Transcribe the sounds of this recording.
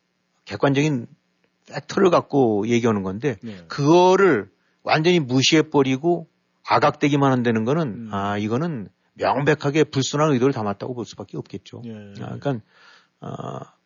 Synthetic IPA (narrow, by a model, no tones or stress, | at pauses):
ke̞k͈̚wand͡ʑʌɡin | fʰek̚tʰɯɾɯɭɡak̚k͈oje̞ɡiɦanɯnɡʌnde̞kɯɡʌɾɯɭ | wʔa̰nd͡ʑʌɲimuɕʰie̞p͈ʌɾiɡo | aɡak̚t͈we̞ɡimanɦandwenɯnɡʌnɯnaiɡʌnɯn | mjʌŋbe̞kʰaɡe̞puɭs͈unɦanɯidoɾɯɭtamat̚t͈a̰ɡopoɭs͈ub̥ak͈eʌp̚k͈e̞t̚t͡ɕ͈oik͈an | ʌ̰